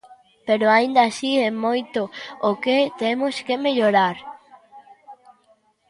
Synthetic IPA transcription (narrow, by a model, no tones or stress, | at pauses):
peɾoaind̪asiɛmojt̪ooket̪emʊskemeʎoɾaɾ